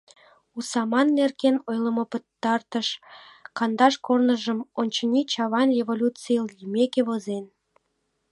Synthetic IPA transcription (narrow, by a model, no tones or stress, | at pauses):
usɑmɑnːerkenojləmopət̪ːɑrt̪əʃkɑnd̪ɑʃkornəʒəmonʲt͡ɕənʲit͡ɕɑβɑnrʲevolʲut͡sijlimekeβozen